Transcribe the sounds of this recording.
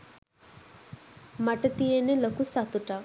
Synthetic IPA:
mɐʈɐt̪ijenelokusɐt̪uʈa

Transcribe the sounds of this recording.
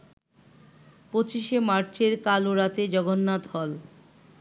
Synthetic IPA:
pot͡ɕiʃemaɾt͡ɕeɾkaloɾat̪ed͡ʑɔɡonːad̪ʱɔl

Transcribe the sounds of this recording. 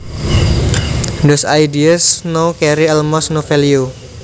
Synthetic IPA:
ndɔsajdiəsnokɛɾiɛlmɔsnofelio

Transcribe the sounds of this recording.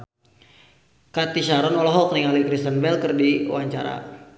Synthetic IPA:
kat̪iʃaɾɔnɔlɔɦɔkəniŋalikɾist̪ənvɛlkərdiṵwaɲt͡ʃaɾa̰

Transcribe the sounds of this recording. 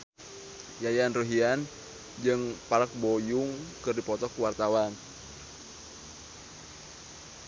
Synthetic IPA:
jajanruɦian | d͡ʒɨŋpalək̚bɔjuŋkɨrdipɔt̪ɔkuwart̪awan

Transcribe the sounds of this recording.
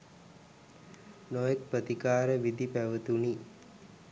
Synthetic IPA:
nojek̚pɾət̪ikaːɾəʋid̪ipæʋət̪uni

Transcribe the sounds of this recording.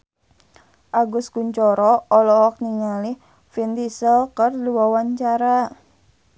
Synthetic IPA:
ʔaɡʊskuɲt͡ʃɔɾɔɔlɔhɔk̚niŋalɪh | fint̪isɔkərduwawaɲt͡ʃaɾa

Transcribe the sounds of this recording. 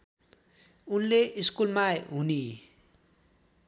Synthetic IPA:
unleʔiskulmaɦuni

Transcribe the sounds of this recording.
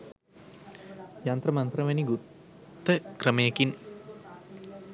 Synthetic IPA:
jant̪rəmant̪rəʋɛniɡu | t̪ːəkrəməjekin

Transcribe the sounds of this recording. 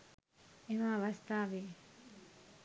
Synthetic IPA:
eʋaːʋɐst̪aːʋeː

